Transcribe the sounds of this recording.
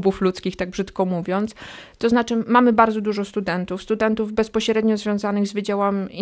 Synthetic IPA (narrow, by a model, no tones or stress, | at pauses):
buflut̪skʲixt̪aɡ̚bʐɘt̪kɔmuvʲjɔnt̪st̪ɔznat͡ʂɘmamɘbaɾd̪zɔd̪uʐɔst̪ud̪ɛnt̪ufst̪ud̪ɛnt̪uvbɛspɔɕɾɛd̪ɲɔzvʲjɔ̃w̃zanɘɣzvʲɘd͡ʑawam